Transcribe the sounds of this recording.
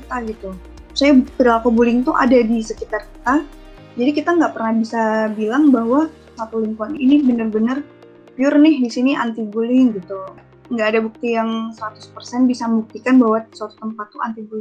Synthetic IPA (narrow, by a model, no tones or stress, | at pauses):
ət̪aɡit̪u | u̥sajapədalakobulɪŋt̪ʊʔa̰dadisəkit̪arkə̥t̪a | d͡ʒadikit̪aŋɡaʔpərnahbisabilaŋbaɦwa | sakoliŋpuaninibənərbənər | piʊrnɪhdisiniʔa̰nt̪ibulɪŋɡit̪u | əŋɡaʔːdabuk̚t̪ijaŋsəɾat̪ʊ̥spərsɛnbisaməbuk̚t̪ikanbaɦwasəwat̪o̥t̪əmpat̪ːuant̪ibulɪŋ